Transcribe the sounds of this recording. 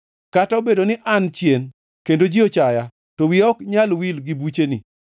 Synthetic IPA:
kataobedonɪʔant͡ʃjen | kendod͡ʒiot͡ʃaja | towɪɔkɲalwilɡɪbut͡ʃenḭ

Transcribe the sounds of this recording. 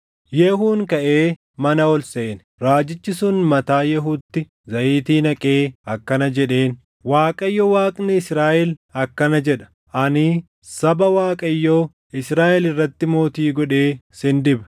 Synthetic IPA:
jɛhuːŋkɐʔeː | mɐnɐɔlseːn | ɾaːd͡ʒɪt͡ʃːɪsʊnmɐt̪aːjɛɦuːt̪ːɪ | zɐʔiːt̪iːnɐkʼeːɐkːɐnɐd͡ʒɛᶑe̞ːn | waːkʼɐjːowaːkʼnɪɪsɾaːʔɛlɐkːɐnɐd͡ʒɛᶑɐ̥ | ʔɐnɪ | sɐbɐwaːkʼɐjːoː | ɪsɾaːʔɛlɪrːɐt̪ːɪmo̞ːt̪iːɡɔᶑe̞ːsɪnd̪ɪbɐ̥

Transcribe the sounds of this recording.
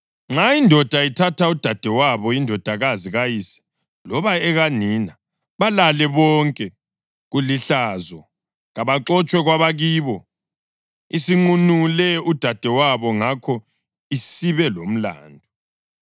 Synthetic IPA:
ŋ͡ǁaindʱɔd̥ʱaitʰatʰaud̥ʱad̥ʱɛwaβɔindʱɔd̥ʱaɣaziɣajisɛ̥ | lɔβaɛɣaniːna | βalalɛβɔŋkʼɛ | ɣuliɬazɔ | ɣaβaǁɔt͡ʃʼwɛɣwaβaɣiːβɔ | isiŋ͡ǃunulɛud̥ʱad̥ʱɛwaβɔŋakʰɔ | isiβɛlom̩la̰ːndʱɔ

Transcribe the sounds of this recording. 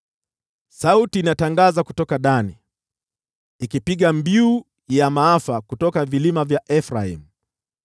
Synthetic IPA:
sautiːnataŋɡazaku̥tɔkaɗani | ikipiɠambiu | jamaafakutɔkavilimavjaʔɛfɾaḭmu

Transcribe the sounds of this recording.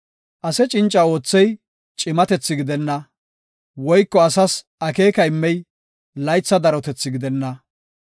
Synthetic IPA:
ʔɐsɛt͡ʃʼɪnt͡ʃʼːɐo̞ːt͡sːɛj | t͡ʃʼɪmɐt̪ɛt͡sːɪɡɪd̪ɛnːɐ | wɔjkːɔɐsɐs | ɐkeːkɐɪmːɛj | lɐjt͡sːɐd̪ɐɾɔt̪ɛt͡sːɪɡɪd̪ɛnːɐ

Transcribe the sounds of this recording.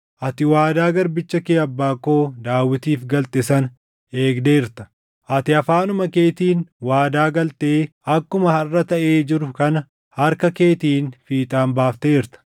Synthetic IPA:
ʔɐt̪ɪwaːd̪aːɡɐɾbɪt͡ʃːɐkeːɐbːaːkːo̞ːd̪aːwːɪt̪iːfɡɐlt̪ʼɪsɐn | e̞ːɡd̪eːɪɾt̪ɐ̥ | ʔɐt̪ɪɐfaːnʊmɐke̞ːt̪iːnwaːd̪aːɡɐlt̪eː | ɐkːʊmɐhɐrːɐt̪ɐʔe̞ːd͡ʒɪɾʊkɐnɐ | hɐɾkɐke̞ːt̪iːnfiːt̪ʼaːmbaːft̪eːɪɾt̪ɐ̥

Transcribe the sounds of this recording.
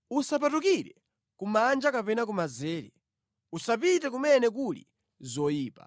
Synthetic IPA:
usapatukiɾɛ | kumand͡ʒakapɛnak̬umazɛːɾɛ | usapitɛk̬umɛnɛk̬ulḭ | zɔjiːpa̰

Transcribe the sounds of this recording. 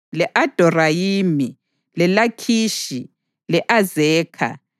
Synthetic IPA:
lɛʔad̥ʱɔrajiːmi | lɛlakʰiːʃi | lɛʔazɛːkʰa̰

